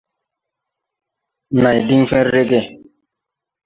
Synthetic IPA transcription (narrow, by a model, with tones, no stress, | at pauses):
na˨jdi˦ŋfɛ̃˦ɾːe˦ɡe˦˨